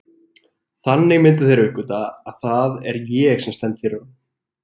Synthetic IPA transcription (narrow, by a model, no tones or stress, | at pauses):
θanːɪɣmɪnt̪̬ʏθejɾɪvʏhkʏt̪aːðθaðɛ̰ɾjɛɣsɛmst̪ɛnt̪θçɛɾʏ